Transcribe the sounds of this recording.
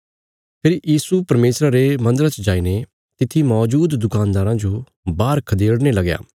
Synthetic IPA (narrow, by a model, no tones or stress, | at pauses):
pʰɪɾjiːsupɐɾmeːsɾaɾemɐ̃nd̪əɾat͡ʃd͡ʒaːine | t̪ɪt̪ʰːimɔːd͡ʒuːd̪ːʊkaːnd̪aːɾãd͡ʒo | baːɾkʰɐd̪eːɽnelɐɡja̰ː